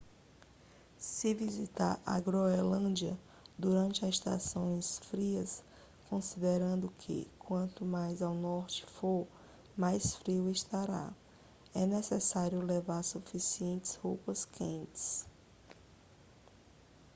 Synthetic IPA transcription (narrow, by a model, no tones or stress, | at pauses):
sɪvizit̪aɾa̰ɡɾoelɐ̃d͡ʒiɐ̰ | d̪uɾɐ̃nt͡ʃɪɐzɪʃt̪a̰sõj̃sfɾiɐs | kõsid̪eɾɐ̃nd̪ʊkʰɪ̰kwɐ̃nt̪ʊmajzawnɔɾt͡ʃɪ̥foɾ | majsfɾiweʃt̪aɾa̰ | ɛnesɛsaɾjʊlevaɾsufisiẽnt͡ʃɪ̥zhupɐskʰẽnt͡ʃɪ̥s